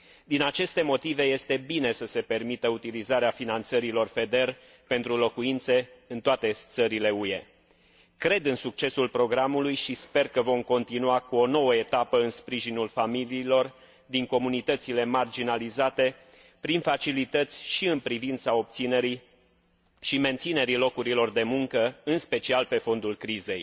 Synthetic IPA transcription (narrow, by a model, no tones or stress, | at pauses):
d̪inat͡ʃe̞st̪e̞mo̞t̪ive̞je̞st̪e̞bine̞səse̞pe̞rmit̪əut̪ilizaɾeafinant̪səɾilo̞rfe̞d̪e̞r | pe̞nt̪ɾulo̞kuint̪se̞ɨnt̪oat̪e̞t̪səɾile̞uje̞̰ | kɾe̞d̪ɨnsuk̚t͡ʃe̞sulpɾo̞ɡɾamulujʃispe̞rkəvo̞mko̞nt̪inuakuo̞no̞wəe̞t̪apəɨnspɾiʒinulfamiliːlo̞r | d̪iŋko̞munit̪ət̪sile̞mard͡ʒinalizat̪e̞ | pɾinfat͡ʃilit̪ət̪sʲʃiɨnpɾivint̪sao̞p̚t̪sine̞ɾi | ʃime̞nt̪sine̞ɾilo̞kuɾilo̞rd̪e̞muŋkəɨnspe̞t͡ʃialpe̞fo̞nd̪ulkɾize̞̰j